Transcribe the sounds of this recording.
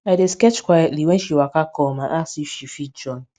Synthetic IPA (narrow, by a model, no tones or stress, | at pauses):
aɪdeskɛt͡ʃkwajɛtliwɛnʃiwakakɔmaʔasiʃifid͡ʒɔn